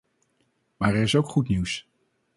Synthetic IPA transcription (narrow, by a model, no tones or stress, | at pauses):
maːɹɛɹɪsowkχutniws